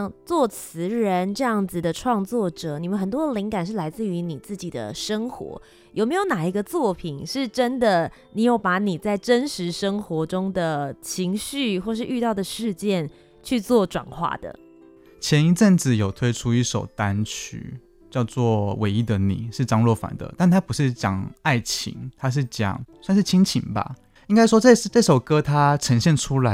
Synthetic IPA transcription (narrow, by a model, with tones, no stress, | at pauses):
ŋt͡swɔ˥˩t͡sʰɹ̩˧˥ɻə˧˦nʈ͡ʂɤ˥˧jɑ˥˩ŋd͡z̩˨˩d̪ə˩ʈ͡ʂʰwɑ˥˧ŋt͡swɔ˥˩ʈ͡ʂɤ˨˩ni˨˩mə˧˦nxə˨˩nt̪wɔ˥d̪ə˨li˧˥ŋka˨˩nʂ̬ɻ̩˥˩la˧˥ɪt͡sɹ̩˥˩y˧˥ni˨˩t͡sɹ̩˥˩t͡ɕi˨˩d̪ə̰˦ʂə˥ŋxwɔ̰˧˥ | jo˨˩me˧˥ɪjo˧˥ʊna˨˩i˧˥ɡə˧t͡swɔ˥˩pʰi˨˩nʂɻ̩˥˩ʈ͡ʂə˦nd̪ə˨ | ni˨˩jo˨˩ʊpa˧˥ni˨˩t͡sa˥˩ɪʈ͡ʂə˦˥nʂɻ̩˧˥ʂə˥ŋxwɔ˧˥ʈ͡ʂʊ˥ŋd̪ə˨˩t͡ɕʰi˧˥ŋɕy˥˧xwɔ˥˧ʂ̬ɻ̩˥˧ʔy˥˧t̪ɑ˥˩ʊd̪ə˩ʂɻ̩˥˧t͡ɕjɛ˥˩n | t͡ɕʰy˥˧t͡swɔ˥˩ʈ͡ʂwa̰˨˩nxwa̰˥˩d̪ə̰˩ | t͡ɕʰjɛ˧˦ni˧˥ʈ͡ʂə˥˩nd͡z̩˨˩jo˨˩ʊt̪ʰwe˥ɪʈ͡ʂʰu˦i˥˩ʂo˨˩ʊt̪a˦nt͡ɕʰy̰˧˥ | t͡ɕjɑ˥˧ʊt͡swɔ˥˩wʔe˧˥ɪi˧d̪ə˨nḭ˨˩ʂɻ̩˥˩ʈ͡ʂɑ˥ŋlwɔ˥˩fa̰˨˩˦nd̪ə̰˦t̪a˥˩nt̪ʰa˦˥pu˧˥ʂɻ̩˥˩t͡ɕjɑ̰˨˩ŋa˥˩ɪt͡ɕʰḭ˧˥ŋt̪ʰa˦ʂ̬ɻ̩˥˩t͡ɕjɑ̰˨˩ŋswa˥˧nʂɻ̩˥˩t͡ɕʰi˥ŋt͡ɕʰḭ˧˥ŋba̰˦ | i˥ŋka˥ɪʂ̬wɔ˥ʈ͡ʂə˥˩˥ʈ͡ʂɤ˥˩ʂo˨˩ʊkɤ˦t̪ʰa˦ʈ͡ʂʰə˧˦ŋɕjɛ˥˨nʈ͡ʂʰu˥la˧˦